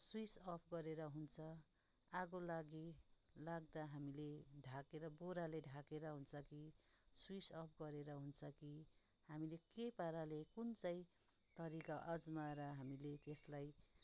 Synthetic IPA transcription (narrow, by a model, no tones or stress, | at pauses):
swisʌpʰɡʌɾeɾʌɦunt͡sʰʌ | aɡolaɡilaɡd̪aɦamileɖʱakeɾʌboɾaleɖʱakeɾʌɦunt͡sʰʌkiswisʌp̚ʰɡʌɾeɾʌɦunt͡sʰʌki | hamilekepaɾalekunt͡saĩ | t̪ʌɾikaʔʌd͡zmaɾʌɦamilet̪eslaj